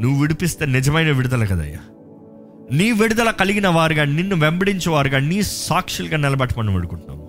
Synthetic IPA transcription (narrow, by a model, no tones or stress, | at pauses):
nuʋuʋiɽipist̪e̞ːnɪd͡ʒɐmɐjnɐʋiɽud̪ɐlɐkɐd̪ɐ̰ja̰ː | niːʋiɽud̪ɐlɐkɐliɡinɐʋaːɾuɡaːninːuʋembɐɽiɲt͡ʃɐʋaːɾuɡaːniːsaːkʂilɡaːnɛlɐbɐʈːimɐnɐmʋiɽukuɳʈunːa̰ːm